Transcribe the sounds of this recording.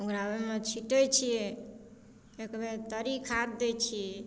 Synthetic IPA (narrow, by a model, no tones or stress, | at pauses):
okɾabemet͡ʃʰiʈəjt͡ʃʰiɛ | ekbet̪əɾikʰaɾd̪et͡ʃʰi